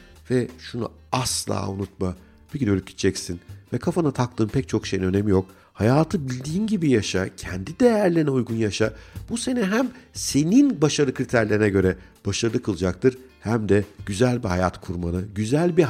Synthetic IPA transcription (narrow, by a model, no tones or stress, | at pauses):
vɛʃunṵ | aslˠa̰ːunut̪̚ma | pʰecinølʲycʲɟi̥t̪t͡ʃʰːɛcsinvɛkʰafanat̪ʰak̚t̪ʰɯːmpʰɛc̚t͡ʃʰo̞kʃe̞jinø̞ne̞mijo̞k | hajaːt̪ʰɯbilʲd̪iːnɟibijaʃacʰɛ̰nd̪id̪ejæɾlʲenɛujɡunjaʃabuse̞nɛɦæmse̞ninbaʃaɾˠɯkʰɾit̪ʰæɾlʲeɾinɛɟø̞ɾɛb̥aʃaɾɯlˠɯkʰɯlˠd͡ʒak̚t̪ʰɯɾ̥ | hæmd̪ɛɟ̥yzælʲbihajat̪kʰuɾmanɯɟyzælʲbi